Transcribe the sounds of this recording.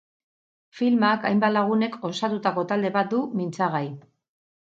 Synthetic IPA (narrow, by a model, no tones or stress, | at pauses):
filmakajmbalaɣ̞une̞ko̞sat̪ut̪ako̞t̪ald̪e̞βat̪̚d̪umint͡saɣ̞aj